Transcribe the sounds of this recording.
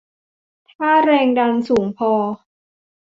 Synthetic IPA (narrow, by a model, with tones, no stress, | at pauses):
t̪ʰaː˥˩ɾɛː˧ŋda˧nsuː˩˦ŋpʰɔː˧